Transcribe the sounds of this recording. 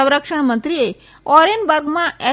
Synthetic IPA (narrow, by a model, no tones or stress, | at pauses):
ə̃wɾəkʃəɳ̃mənt̪ɾie | ɔɾenbəɾɡmãɛ